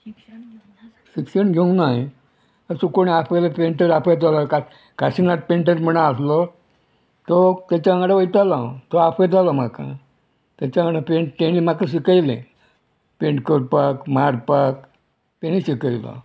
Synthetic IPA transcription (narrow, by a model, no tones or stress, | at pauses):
sikɕənɡʱeũŋɡnaɦji | əsukoɽ̃iapəjlapẽɳʈəɾapəjd͡zalɔka | kaɕinaʈ̚pẽɳʈ̬əɾm̤ənaaslɔ | t̪ɔt̪at͡ɕaŋɡɽaʋəjt̪alat̪ɔapəd͡zʱalɔmakã̰ | t̪at͡ɕaŋɽapeɳʈt̪enimakaɕikəjlḛ̃ | peɳʈkəɾpakmaɾpak | t̪eniɕikəjlɔ̰